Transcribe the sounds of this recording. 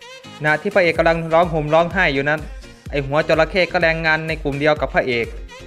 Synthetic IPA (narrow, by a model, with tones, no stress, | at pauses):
kʰa˧na˧˨t̪ʰiː˥˩pʰa˧˥eː˨˩kːa˧mla˧ŋɾɔː˦˥˩ŋɦo˨˩mlɔː˦˥˩ŋɦaː˥˩jːuː˨˩na˦˥˩n | ʔa˨˩jɦu˩˦ɐt͡ɕo˨˩la˧kʰeː˥˩kɔː˧˥˩ɾɛː˧ŋːaː˧nːa˧jku˨˩mdi˧əwka˨˩pʰːaː˧˨ʔeː˨˩k̚